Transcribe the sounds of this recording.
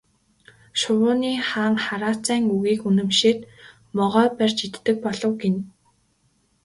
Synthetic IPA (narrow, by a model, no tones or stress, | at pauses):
ʃʊwʊːniːχaːŋχaɾaːt͡sæːŋuɣiːkunɘ̆mʃeːt̪ | mɔʁœːpærʲt͡ɕit̪ːɘ̆k̚pɔɮɞ̆wɡen